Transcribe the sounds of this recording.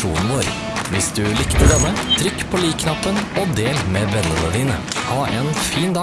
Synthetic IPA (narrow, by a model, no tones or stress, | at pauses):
ṵːnn̩ʋoːɾ | ʋɪsd̪ʉlɪkt̪əɖ̪ɛmːət̪ʰɾʏkːpʰoːliːkʰnɑpːənod̪eːlmeːbɛnːənəd̪iːnə | hɑːʔeːnfiːnd̪ɑ